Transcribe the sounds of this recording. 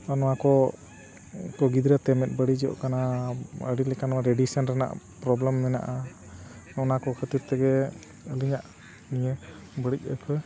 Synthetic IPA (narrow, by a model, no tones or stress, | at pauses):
anɔwakɔ | kɔɡid̪ɾat̪ɛmɛt̪̚bəɽid͡ʒiɔ̰ʔkanaə̰ɽilɛkanɔaɾɛɖisənɾana̰ʔ | pɾɔblɛmːɛna̰ʔa | nɔnakɔkʰət̪iɾt̪ɛɡɛ | əliɲaʔ | niɲɛbəɽic̚ə̰pʰɔ